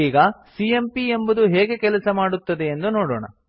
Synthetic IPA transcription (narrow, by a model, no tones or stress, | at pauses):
iːɡɐsiempiembɐd̪uɦɛːɡe̞kɛlɐsɐmaːɽut̪ːɐd̪eːnd̪unoːɽoːɳɐ̰